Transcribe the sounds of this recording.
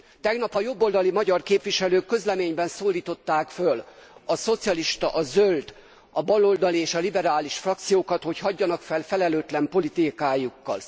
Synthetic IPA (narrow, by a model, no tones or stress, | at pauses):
t̪ɛɡnɒpɒjo̞bːo̞ld̪ɒlimɒɟɒrkeːpʋiʃɛløːkːø̞zlɛmeːɲbɛnsoːlːiːt̪o̞t̪ːaːkfølɒso̞t̪sijɒliʃt̪ɒʔɒzøld̪ | ɒbɒlo̞ld̪ɒlieːʃɒlibɛɾaːliʃfrɒkt̪sijoːkɒt̪ho̞chɒɟːɒnɒkfɛlfɛlɛløːt̪lɛmpo̞lit̪ikaːjukːɒ̰l